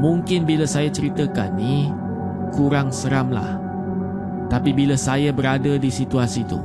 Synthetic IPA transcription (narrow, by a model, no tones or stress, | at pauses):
mũŋkɪnbilasajat͡ʃəɾit̪əka̰nːi | kuɾaŋsəɾamla̰h | t̪apibilasajabəɾadadisit̪uasit̪ṵ